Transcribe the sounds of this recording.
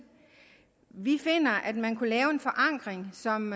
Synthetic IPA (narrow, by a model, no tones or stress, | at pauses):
ʋife̝n̰ɐʔæd̥mænkʰulɛːʊe̝nfɒ̽ʔɑ̈ŋ̰ɡ̥ʁeŋsɒ̽m